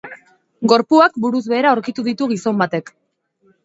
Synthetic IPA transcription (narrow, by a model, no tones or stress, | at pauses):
ɡo̞ɾpuakbuɾuzβe̞ːɾaoɾkit̪uðit̪uɣ̞iso̞mbat̪e̞k